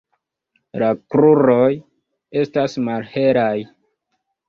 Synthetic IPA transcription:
lakɾuɾo̞j | e̞stasmalhe̞ɾaj

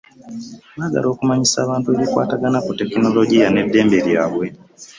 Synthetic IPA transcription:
βaːɡa̰lʔo̞ːkumaɲisaːβaːntueβikwa̰ːtaɡanakute̞kino̞lo̞ɟijane̞dːe̞ːmbe̞ljaːβwe̞

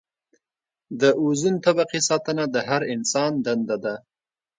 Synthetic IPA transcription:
d̪əʔuzunt̪abaqisɑt̪ənad̪əɦaɾɪnsɑnd̪and̪ad̪a

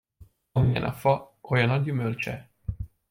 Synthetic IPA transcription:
ɒmijɛ̰nʔɒ̰fɒojɒnɒɟymølt͡ʃɛ

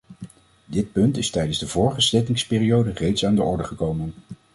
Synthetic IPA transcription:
dɪt̚pɵntɪstɛjdənzdəvʊːɹχəslɛtɪŋspɪːriowdərejtsaːndəʔɔɹdəχəkowmən

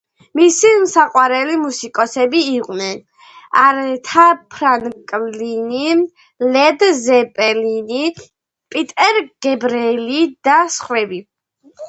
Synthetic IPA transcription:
misimsaqʼwaɾɛlimusikʼɔsɛbiːqʼnɛn | aɾt̪ʰapʰɾankʼlini | lɛd̪zɛpʼɛlini | pʼit̪ʼɛɾɡ̥ɛbɾɛlid̪̥asχwɛbi

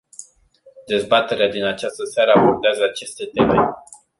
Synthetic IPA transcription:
d̪e̞zbat̪e̞ɾead̪inat͡ʃast̪əseaɾəabo̞rd̪eazəat͡ʃe̞st̪e̞t̪e̞me

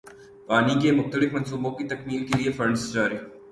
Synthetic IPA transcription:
paːnikemʊxt̪əlɪfmɐ̃nsuːbõkit̪ɐkmiːlkeliefɐɾɳɖst͡ʃaːɾiː

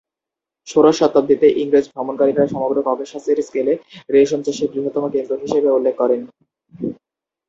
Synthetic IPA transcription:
ʃoɾoʃːɔt̪ːab̚d̪it̪eʔiŋɾed͡ʑbʱɾɔmonkaɾikɾaɾʃɔmoɡɾokɔɡoʃaseɾskeleɾeʃ̬ɔnt͡ɕaʃiɾɡɾiɦot̪ːɔmokend̪ɾoɦiʃebeulːekʰːɔɾen

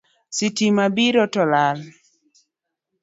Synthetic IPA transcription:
sitimabiɾɔtɔlal

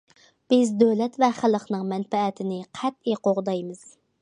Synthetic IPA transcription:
b̥ɪzd̪øwlɛt̪vɛχælˠəqnɨŋmɛnpɛːt̪ʰɪnɪqʰɛt̪̚eqʰoʁd̪ɑjmɨz̥

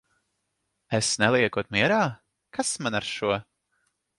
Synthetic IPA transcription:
ɛsnɛlˠiɛkuɔt̪miɛɾaː | kasmanaɾʃuɔ

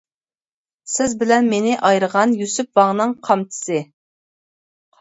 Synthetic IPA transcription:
sɪzbɪlɛnmenɪʔɑjɾəʁɑnjysyp̚vɑŋnɨŋqʰɑmt̪ʰɨ̥sɨ

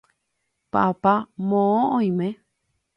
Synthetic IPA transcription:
pa̰pamõõõj̃mẽ

